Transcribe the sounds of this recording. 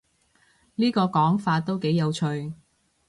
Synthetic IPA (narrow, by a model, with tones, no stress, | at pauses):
niː˥kɔː˧kɔː˨˥ŋfaː˧t̚t̪o˥wke˨˥jːɐ˨˧wt͡ʃʰɵ˧ɥ